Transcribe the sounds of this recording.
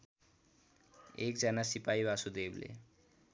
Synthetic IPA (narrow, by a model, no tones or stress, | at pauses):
ek̚d͡zʌnasipaibasud̪eblḛ